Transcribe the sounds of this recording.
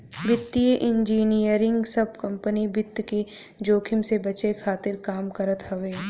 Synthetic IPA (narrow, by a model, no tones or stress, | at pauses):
bɪt̪ːijəʔɪ̃ɲd͡ʒiːnijəɾɪ̃ŋɡsɐbkɐ̃mpənibɪt̪ːke | d͡ʒoːkʰɪmsebɐt͡ʃekʰaːt̪ɪɾkaːmkɐɾət̪ɦɐʋeː